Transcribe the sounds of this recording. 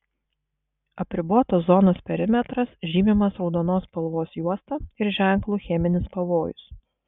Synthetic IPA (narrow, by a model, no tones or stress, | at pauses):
ɐpʲɾʲɪboɔt̪oːszɔnoːspʲɛɾʲɪmʲɛt̪ɾɐsʒʲiːmʲɪmɐsɾɒʊd̪oːnoːspɐlˠʋoːsjuɔst̪ɐɪɾʒʲæˑŋˑklˠuːxʲɛmʲɪnʲɪspɐʋoːjʊ̰s